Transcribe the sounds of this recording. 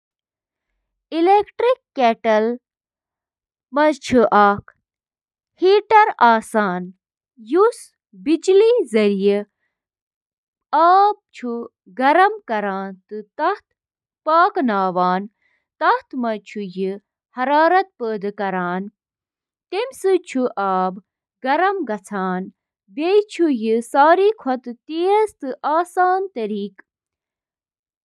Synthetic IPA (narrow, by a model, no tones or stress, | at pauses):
ilekʈɾikːeːʈɐl | mɐt͡ʃʰuʔaːkʰ | hiːʈɐɾaːsaːn | jus | bid͡ʒliːzɐɾijə | aːp̚t͡ʃʰu | ɡɐɾɐmkɐɾaːnt̪ɨt̪ɐht̪ʰ | paːknaːʋaːn | t̪ɐht̪mɐt͡ʃʰujɨ | hɐɾaːɾɐt̪̚pəːd̪ɨkɐɾaːn | t̪emʲsɨt͡ʃʰuʔaːb | ɡɐɾɐmɡɐt͡sʰaːn | bet͡ʃʰujɨsaːɾiːkʰɐt̪t̪eːɐst̪ɨʔaːsaːnt̪ɐɾiːk